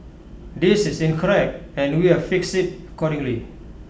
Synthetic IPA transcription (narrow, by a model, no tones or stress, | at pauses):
disɪsĩnkʰɔɹɛk̚t̚ɛ̃nwiafiksɪt̚əkɔɾĩŋli